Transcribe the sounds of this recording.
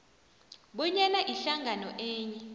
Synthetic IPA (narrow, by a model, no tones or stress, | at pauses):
ɓɔɲɛlaʔiɬaŋɡʱanɔʔɛːɲɛ